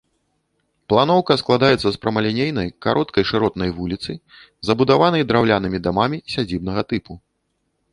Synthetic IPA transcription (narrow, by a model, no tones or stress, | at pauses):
plˠanɔwkɐsklˠad̪ajɛt̪sɐspɾɐmɐlʲɛnʲejnɐjka̰ɾʔɔt̪̚kɐjʂɨɾɔt̪nɐjvulʲit̪sɨ | zɐbud̪avanɐjd̪ɾawlʲanɨmʲid̪amamʲisʲad͡zʲib̚nɐɣɐt̪ɨpu